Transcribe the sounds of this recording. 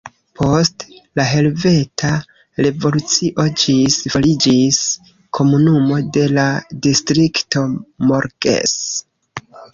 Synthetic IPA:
pʰo̞stlaɦe̞lve̞tʰa | ɾe̞vo̞lut͡siʔo̞d͡ʒisfolid͡ʒis | kʰo̞munumo̞de̞ladistɾikto̞moɾɡḛs

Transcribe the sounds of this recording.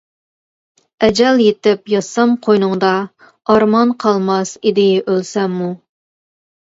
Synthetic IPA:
ɛd͡ʒɛljet̪ɪpjɑsɑmqʰojnʊŋd̪ɑ | ɑɾmɑnqʰɑlˠmɑsid̪ɪʔølsɛmːu

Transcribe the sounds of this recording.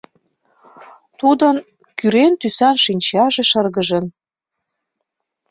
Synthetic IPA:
t̪ud̪ən | kyɾent̪ysɑnʃinʲt͡ɕɑʒĕʃə̆rɣə̆ʒə̆n

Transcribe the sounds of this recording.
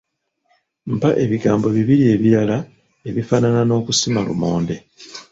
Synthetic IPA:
mpaʔe̞βiɡaːmbo̞βiβilie̞βiɾala | e̞βifananano̞ːkusimalṵmo̞ːnde̞

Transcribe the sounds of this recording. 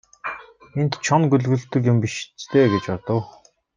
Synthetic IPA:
ent̪t͡ɕʰɔnɡɵɮɣɘ̆ɮt̪ɵ̆k̬jʊmpiʃt͡st̪ʰeːɡet͡ɕɔrt̪ə̆w

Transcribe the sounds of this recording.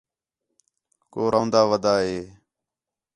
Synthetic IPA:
koːɾʔaːnd̪aːʋəd̪aːɦeː

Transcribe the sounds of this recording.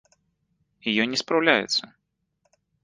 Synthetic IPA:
jijɔnʲɛspɾawlʲajɛ̰t̪sɐ

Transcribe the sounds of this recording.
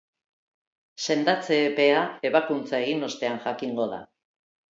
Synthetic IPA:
se̞nd̪at͡se̞pe̞ae̞βakunt͡sae̞ɣino̞st̪e̞anʝakiŋɡo̞ð̞a̰

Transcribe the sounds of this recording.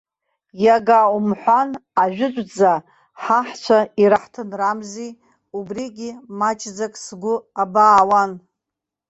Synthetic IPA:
jaɡaumħʷanaʒᶣʷʊt͡ʃʷʼd͡za | ħaħt͡ʃʷʰaiɾaħtʰɨnramzi | ubriɡʲimat͡ʃʰʼd͡zakʼsɡʷʊabaːwan

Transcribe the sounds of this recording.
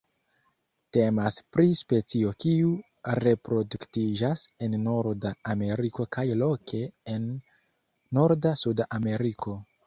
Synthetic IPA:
te̞maspɾispe̞t͡sio̞kiu | ɾe̞pɾo̞duktid͡ʒase̞nːo̞ɾdaːme̞ɾiko̞kʰajlo̞kʰe̞enː | o̞ɾdasudaʔame̞ɾikʰo̞

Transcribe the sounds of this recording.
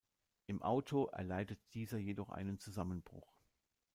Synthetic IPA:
ʔɪmʔaʊtʰoʔɛ̰ɐlaɪdət̚d̥iːzɐjedɔχʔa̰ɪnənt͡suzamənbʁʊ̰χ

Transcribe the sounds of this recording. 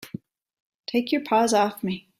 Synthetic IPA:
tʰeɪkʰjə˞pʰɔzɔfmi

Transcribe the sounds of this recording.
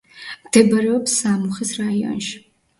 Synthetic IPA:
d̪̥ʰɛbɐɾɛɔpsaːmuχɛsrajɔ̰nʃ

